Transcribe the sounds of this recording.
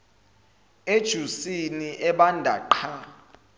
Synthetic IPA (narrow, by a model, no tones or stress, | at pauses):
ed̥ʒ̥ʱusiniʔɛɓandʱaǃʰa